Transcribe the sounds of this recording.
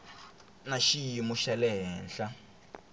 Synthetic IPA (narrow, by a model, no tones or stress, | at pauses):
naʃijimuʃalɛɦɛːnɬa